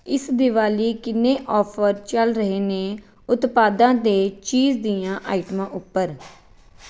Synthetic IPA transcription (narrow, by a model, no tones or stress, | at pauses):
ɪsd̪ɪʋaːliːkɪnːeːʔɔːpʰəɾt͡ʃəlɾəɦeːneː | ʊt̪paːd̪ãːd̪eːt͡ʃiːzd̪iːãːʔaːɪʈmãːʔʊpːəɾ